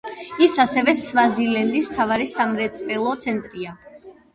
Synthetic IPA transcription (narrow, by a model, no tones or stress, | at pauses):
isasɛvɛsvazilɛnd̪ismt̪ʰavaɾisamɾɛt̪sʼpʼɛlˠɔt̪sʰɛnt̪ʼɾia